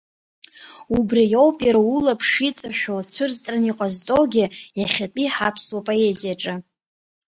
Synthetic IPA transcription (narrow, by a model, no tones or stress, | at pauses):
ubrijowpʼjaɾaulapʰʂit͡sʼaʃᶣalt͡sʷʰɨrztʼraniqʼazt͡sʼowɡʲɪjaχʲatʼiħapʰswapʼo̞e̞zijaʈ͡ʂʼa